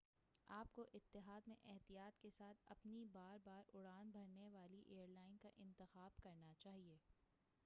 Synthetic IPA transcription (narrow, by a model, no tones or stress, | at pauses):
aːp̚koʔɪt̪ːɪɦaːd̪mḛ̃ʔɛɦt̪ijaːt̪kesaːt̪ʰɐ̰pnibaːɾbaːɾʊɽaːnbʱɐɾneʋaːliʔeːəɾlaːɪnkaʔɪ̃nt̪ɪxaːbkɐɾnat͡ʃaːɦieː